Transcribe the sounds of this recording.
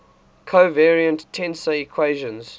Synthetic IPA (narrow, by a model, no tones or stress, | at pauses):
kʰoʊvɛɹiə̃ntʰɛ̃nsəikʰweɪʒə̃nz̥